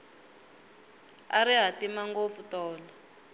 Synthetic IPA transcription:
a̰ɾiɦatimaŋɡop̪futɔːlɔ

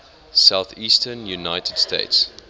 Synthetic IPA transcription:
saʊθiːstʰənjunaɪtʰəd̥stḛɪts

